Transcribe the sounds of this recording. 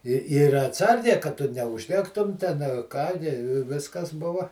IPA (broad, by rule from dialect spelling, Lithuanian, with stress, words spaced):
ɪ ˈɪr ɐtˈsɐrʲɡʲɛɪ kɐt ˈtʊ nʲɛʊʒʲˈdʲæːktʊm ˈtʲɛn ɐ ˈkɑː nʲɪ ˈʋʲɪskɐs ˈbʊʋɐ